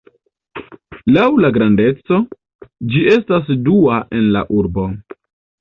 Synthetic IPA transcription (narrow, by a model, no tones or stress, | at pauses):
lawlaɡɾande̞t͡so̞ | d͡ʒie̞stas̬duaʔe̞nla̰ʔuɾbo̞